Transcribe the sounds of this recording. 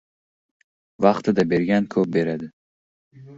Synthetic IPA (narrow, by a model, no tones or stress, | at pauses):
vaχt̪ʰad̪abeɾɡʲankʰobeɾad̪